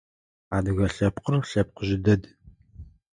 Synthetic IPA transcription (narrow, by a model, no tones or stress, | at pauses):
aːd̪ɨɣɐɬɐpqərɬɐp̚qəʑɪd̪ɐd̪